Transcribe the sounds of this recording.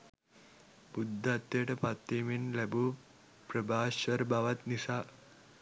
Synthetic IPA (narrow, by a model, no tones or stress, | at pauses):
bud̪ʱːɐt̪jeʈɐpat̪ːiminlɛbuː | pɾɐbʱaːʃɐɾbaʋɐt̪nisa